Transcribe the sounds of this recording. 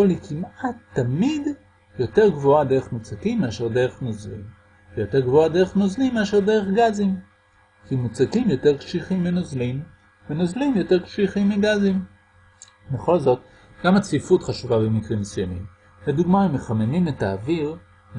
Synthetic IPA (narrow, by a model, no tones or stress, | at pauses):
olikʰimat̪ːamid | jo̞te̞ʁɡvoade̞ʁeχmut͡sakimːeaʃe̞ʁd̪e̞ʁeχnozlḭm | vejo̞te̞ʁɡvoadeʁ̞eχnozlimːeaʃe̞ʁd̪eʁeχɡazim | kimut͡sakimjo̞teʁkʃiχimːinozlimː | enozlimjo̞teʁkʃiχimːiɡazim | beχo̞lzo̞t | ɡ̥amat͡sifutχaʃuvabemikʁimsujamḭm | led̪uɡmaemːeχamenimetaːviʁ